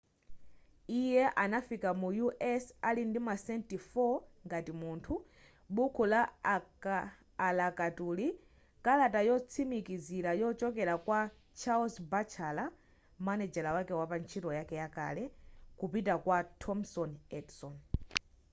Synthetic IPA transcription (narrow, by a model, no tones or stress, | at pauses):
ijɛʔanafikamujuʔɛsalindimasɛntifɔŋɡatimuntʰu | ɓukʰula | lakatuli | kalatajɔt͡sʰimikizilajɔt͡ʃɔkɛlakwa | t͡ʃʰalsbat͡ʃʰala | manɛd͡ʒɛlawakɛwapant͡ʃʰitɔjakɛjaka̰lɛkupitakwatʰɔmsɔnɛdsɔn